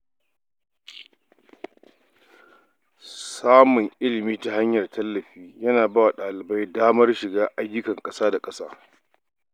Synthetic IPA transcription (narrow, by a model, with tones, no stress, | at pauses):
saː˦mʊ˨ŋʔɪ˦lɪ˨miː˦ta˦ɦa˦ɲjɐ˨rtʰɐ˦lːɐ˨ɸiː˦jɐ˦naː˨baː˦wa˨ɗaː˨lɪ˨ba˦jdaː˦mɐ˦rʃɪ˨ɡaː˦ʔa˦jːʊ˦kɐ˨ŋkʼɐ˦saː˦da˨kʼɐ˦saː˦